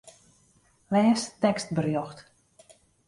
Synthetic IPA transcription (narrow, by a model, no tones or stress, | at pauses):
lɛːstɛkst̚bərjɔxt